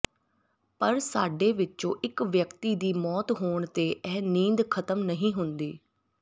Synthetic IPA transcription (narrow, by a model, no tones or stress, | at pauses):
pəɾsaːɖeːʋɪt͡ʃõːʔɪkʋjəkt̪iːd̪iːmɔːt̪ɦoːɳt̪eːʔɛːnĩːnd̪kʰət̪əmnəɦĩːɦʊnd̪iː